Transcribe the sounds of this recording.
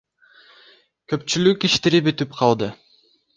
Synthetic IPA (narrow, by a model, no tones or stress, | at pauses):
køpt͡ʃylykiʃt̪eɾibyt̪ypqʰɑlˠd̪ɯ